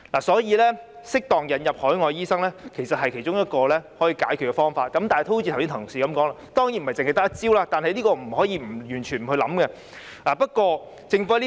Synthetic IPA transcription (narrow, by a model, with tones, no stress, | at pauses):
laː˨˩sɔː˨˥jiː˧lɛː˥sɪ˥k̚t̪ɔː˨ŋjɐ˨˥njɐ˨p̚hɔː˨˥jŋɔː˨˧jiː˥sɐ˥ŋlɛː˥kʰe˨˩jsɐ˨t̚hɐ˨jkʰe˨˩jt͡ʃʊ˥ŋjɐ˥t̚kɔː˧lɛː˥hɔː˨˥jiː˧kaː˨˥jkʰy˨˩kɛ˧fɔː˥ŋfaː˧t̚kɐ˨˥mt̪aː˨nht̪o˥hu˥iː˧tʰwsi˥nt̪ʰɐ˨˩ŋ˨˩ksiː˨˩kɐ˨˦mkɔː˨˥ŋla˧t̪ɔː˥ŋji˨˥nm̩˨ɐ˨˩jt͡sɪ˨ŋhjt̪ɐ˥k̚t͡siː˥wlaː˧t̪aː˨nhɐ˨jliː˥kɔː˧m̩˨˩hɔː˨˥jiː˧m̩˨˩jyː˨˩nt͡ʃʰy˨˩nm̩˨˩hɵ˧lɐ̰˨˥mkɛ˧ | ʔaː˨˩pɐ˥t̚kʷwɔː˧ | t͡sɪ˨˧ŋfɔː˥li˥